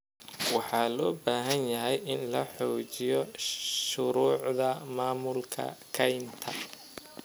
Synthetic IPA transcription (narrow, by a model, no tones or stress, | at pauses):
wɑħɑːlɔːbaːɦɐnjɐɦɛjʔɪnlɐħɔːt͡ʃɪjɔʃʊɾuːʕðɐmaːmʊlkʰɐ̰kʰɐjnt̪ʰɐ̰